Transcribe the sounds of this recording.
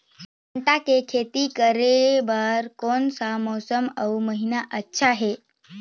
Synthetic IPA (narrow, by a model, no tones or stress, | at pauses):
əɳʈakekʰet̪iːkəɾeʋaɾkonsamosəməwməɦinaʔətːɕʰaɦe